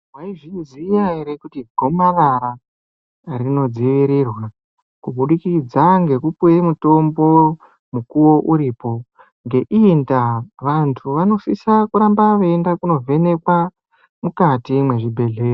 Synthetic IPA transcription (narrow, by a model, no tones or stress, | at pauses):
waiʐinzijaeɾekutiɡʱo̞maʋaɾa | rino̞d͡ziʋiɾirwa | kubuɗikid͡zaŋɡe̞kupujemuto̞mbo̞ | mukuwo̞ʔuɾiːpo̞ | ŋɡe̞ʔindaʋantʰuʋano̞sisakuɾambaʋeendakuno̞vʱe̞ne̞kwa | mukatimwe̞ʐibʱe̞ɮeːro